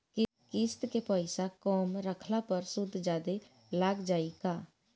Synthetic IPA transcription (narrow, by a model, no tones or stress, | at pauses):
kɪ | kɪst̪kepəɪsakɔːmɾəkʰlapəɾsʊd̪ʱd͡ʒaːd̪e | laːɡd͡ʒaːikaː